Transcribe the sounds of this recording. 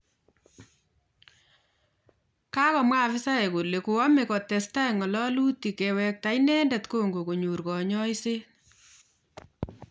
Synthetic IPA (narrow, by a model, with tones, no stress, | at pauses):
ka˦kɔ˨mwa˦˨fɪ˦sa˦e˨ko˨le˨ku˨ɔ˦me˨kɔ˨tɛ˨sta˦e˨ŋɔ˨lɔ˦lu˦ti˨kɛ˨wɛ˨k̚ta˨i˦nɛ˦ndɛ˨tko˦ŋɡo˨ko˨ɲu˨ɾkɔ˨ɲɔ˦i˦se˦